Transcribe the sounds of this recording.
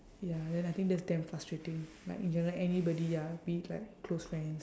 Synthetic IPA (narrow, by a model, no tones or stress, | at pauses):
jadɛ̃najt̪ɪ̃ŋkdɛsdɛ̃mfɹastɹetɪ̃ŋla̰ɪkĩnd͡ʒɛ̃nəɹəlɛnibɔdijabilaɪkːlosfɹɛ̃ns